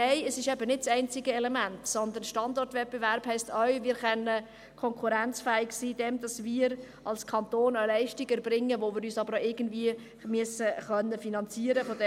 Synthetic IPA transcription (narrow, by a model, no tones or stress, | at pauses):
ɛɪəsɪʃɛbənɪt̚t͡sɛɪnt͡sɪɡəɛlɛmæntsɔnd̪ənʃtɑndɔrtʋɛt̚b̥eʋæɾb̥hɛɪstʰœɥʋɪːɾχɛnːə | kʰɔŋkʰuɾænt͡sfæːɪksiːd̥ɛmdɑsmiːɾ | ʔɑlskʰɑntoːnœlɛɪʃtiɡɛɾbɾɪŋːəʋoʋɪːɾyːsɑbəɾoɪɡ̥ən̩dviə | myəsəχœnːəfinɑnt͡siəɾəfɔdɛ